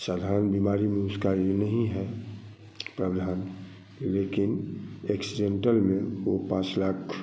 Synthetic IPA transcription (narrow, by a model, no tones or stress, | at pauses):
saːd̪ʱaɾənbimaːɾimẽʊskaonəɦĩɦɛ | pɾəd̪ʱaːn | leːkɪneksiɖẽɳʈəlmẽopãːt͡ʃlakʰ